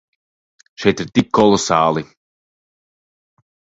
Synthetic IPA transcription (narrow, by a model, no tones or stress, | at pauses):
ʃɛjt̪iɾt̪ikʰːɔlˠɔsaːlˠi